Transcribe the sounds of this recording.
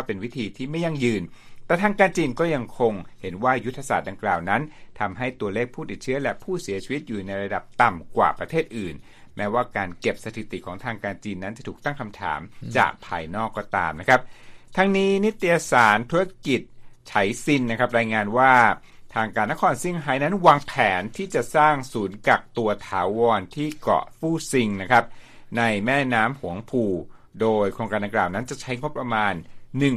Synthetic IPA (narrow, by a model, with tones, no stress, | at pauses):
pe˧nwi˦˥t̪ʰiː˧t̪ʰiː˥˩ma˥˩jːa˥˩ŋjɯː˧nt̪ɛː˨˩t̪ʰaː˧ŋkaː˧nt͡ɕiː˧nkɔː˥˩ja˧ŋkʰo˧ŋhe˩˦nwaː˥˩ju˦˥t̪ʰːa˧saː˨˩t̪̚da˧ŋklaː˨˩wna˦˥nt̪ʰa˧mɦa˥˩jt̪u˧ɐleː˥˩k̚pʰuː˥˩t̪i˨˩t̪̚t͡ɕʰɯ˦˥ɐlɛ˦˥pʰuː˥˩si˩˦ɐt͡ɕʰi˧wi˦t̪̚juː˨˩na˧jɾa˧da˨˩p̚t̪a˨˩mkwa̰ː˨˩pɾa˧t̪ʰeː˥˩t̪̚ʔɯː˨˩n | mɛː˦˥waː˥˩kaː˧nke˨˩p̚sa˧t̪ʰi˨˩t̪i˨˩kʰɔː˩˦ŋt̪ʰaː˧ŋkaː˧nt͡ɕiː˧nːa˦˥nt͡ɕa˨˩t̪ʰuː˨˩k̚t̪a˥˩ŋkʰa˧mt̪ʰa̰ː˩˦mt͡ɕa̰ː˨˩k̚pʰa̰ː˧jnɔː˥˩kːɔː˥˩t̪a̰ː˧mna˦˥kʰɾa˦˥p̚t̪ʰa˧˥ŋniː˦˥ni˦˥t̪ːi˧ja˧saː˩˦nt̪ʰu˦˥ɾa˦˥ki˨˩t̪̚t͡ɕʰa˨˩˦jsi˧nːa˦˥kʰa˦˥p̚ɾaː˧jŋaː˧nwaː˥˩ | t̪ʰaː˧ŋkaː˧nːa˦˥kʰɔː˧nsi˥˩ŋɦa˦˥jna˦˥nwaː˧ŋpʰɛː˩˦nt̪ʰiː˥˩t͡ɕa˨˩ʔsaː˥˩ŋsuː˩˦nka˨˩k̚t̪u˧ɐt̪ʰaː˩˦wɔː˧nt̪ʰiː˥˩kɔ̰˨˩fuː˥˩si˧ŋna˦˥kʰɾa˦˥p̚na˧jmɛː˥˩naː˦˥mhu˩˦əŋpʰuː˧ | doː˧jkʰɾoː˧ŋkaː˧nda˧ŋklaː˨˩wna˦˥nt͡ɕa˨˩t͡ɕʰa˦˥jŋo˦˥pːɾa˧maː˧nːɯ˨˩ŋ